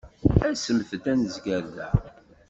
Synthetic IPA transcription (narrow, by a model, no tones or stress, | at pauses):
æsəmθət̪ænəzɡæɾðæ